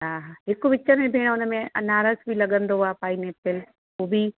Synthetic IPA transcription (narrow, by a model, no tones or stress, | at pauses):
ɦaːɦaːɦɪkʋɪt͡ɕəɾmẽbʱeːɽ̃ʊnəmẽʔɐ̰naːɾəsbʱilɐɠə̃nd̪oaːpaːineːt̪ɪl | uːbʱi